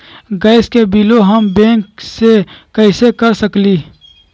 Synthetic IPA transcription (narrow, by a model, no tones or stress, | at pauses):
ɡəɪskebiːloɦəmbẽːŋksekəɪsekəɾsəkliː